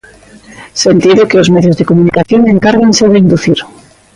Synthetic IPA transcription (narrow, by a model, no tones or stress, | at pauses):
sent̪iðokeozmeðjo̞zðekomunikaθjoŋeŋkaɾɣenseðeind̪uθiɾ